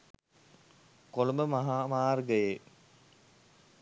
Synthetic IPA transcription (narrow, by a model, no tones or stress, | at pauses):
kolumbəmaɦaːmaːrɡəje